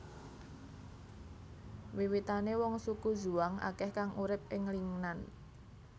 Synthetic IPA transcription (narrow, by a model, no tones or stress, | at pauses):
wiwit̪anewɔŋsukudʒuaŋʔa̰kɛhkaŋuɾɪp̚ɪŋliŋnan